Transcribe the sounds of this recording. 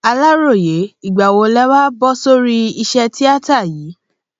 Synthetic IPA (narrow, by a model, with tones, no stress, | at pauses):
a˧la˦ɾo˦˨je˨˦i˦˨ɡ͡ba˨wo˧lɛ˦wa˦bɔ˦so˦ɾi˦i˧ʃɛ˧ti˦a˦ta˦˨jiː˨˦